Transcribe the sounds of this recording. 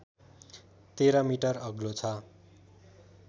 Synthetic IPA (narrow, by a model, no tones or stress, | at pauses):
t̪eɾʌmiʈʌrʌɡlot͡sʰʌ